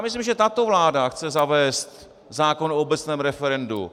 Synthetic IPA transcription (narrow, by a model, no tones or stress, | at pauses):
amɪslimʒɛt̪at̪o̞vlaːdaxt͡sɛzavɛːst̪ | zaːkonoobɛt͡snɛːmɾɛfɛɾɛndṵ